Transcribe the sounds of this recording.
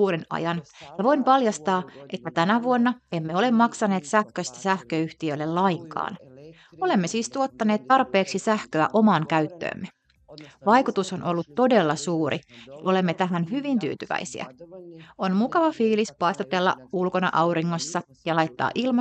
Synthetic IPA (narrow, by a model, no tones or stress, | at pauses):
uːɾinɑ̰jɑnjɑʋo̞impɑljɑst̪ɑːʔe̞t̪ːæt̪ænæʋuonːɑemːeo̞le̞mmɑksɑne̞ːt̪sæhkøst̪æ̥sæhkøyht̪iølːellɑiŋkɑ̰ːn | o̞le̞mːesiːst̪uo̞t̪ːɑneːt̪tɑrpˑe̞ːksisæhkøæʔo̞mɑːŋkæyt̪ːø̰ːmːe | ʋɑjkut̪uso̞nʔolːut̪ːo̞de̞lːɑsuːɾiʔo̞le̞mːet̪æɦænɦyʋint̪y̰ːt̪yʋæ̰isḭæ̰ | onmukɑʋɑfiːlispɑist̪ɑt̪elːɑ̰ulko̞nɑ̰ʔɑwɾiŋːo̞sːɑ | jɑlɑjt̪ːɑ̰ːʔilmɑ